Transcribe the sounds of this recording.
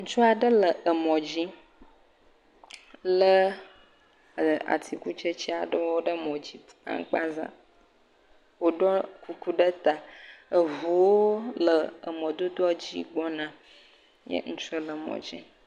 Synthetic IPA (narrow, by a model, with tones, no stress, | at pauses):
ŋ̩̃˦t͡ʃu˦a˨ɖə˦lə˨ʔə˨mɔ̃˨d͡ʑi˦ | lə˦˨ | a̰˨t̪ʰi˨ku˦t͡ʃə˦t͡ɕi˦a˨ɖə˦wo˦ɖə˦mɔ̃˨d͡ʑi˦ | a̰˦ŋ˦k͡pa˦zã̰˨ | wo˦ɖɔ˦ku˦ku˦ɖə˦t̪a˨ə˨vu˨wo˦lə˨ə˨mɔ̃˨d̪o˦d̪ɔ˦d͡ʑi˦ɡ͡bɔ˦nã˦ | jə̰˦ŋũ˦t͡ʃə˦lə˨mɔ̰̃˨d͡ʑḭ˦